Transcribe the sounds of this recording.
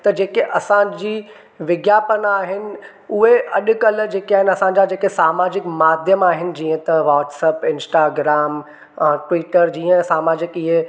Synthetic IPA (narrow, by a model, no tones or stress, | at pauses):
t̪ɐd͡ʑeːkeʔɐsãd͡ʑiː | ʋɪɡjaːpənaːɦɪnɪ̆ | ʊɦeʔɐɗʊ̆kɐld͡ʑeːkiaːɦɪnɪɐsãɲd͡ʑad͡ʑeːkesaːmaːd͡ʑɪkmaːd̪ʱjəmaːɦɪnɪ̆d͡ʑĩːə̃t̪ɐʋaːʈsɛːpɪ̃nsʈaːɡɾaːmː | ʈʋiːʈəɾd͡ʑiːə̃saːmaːd͡ʑɪkɪɦe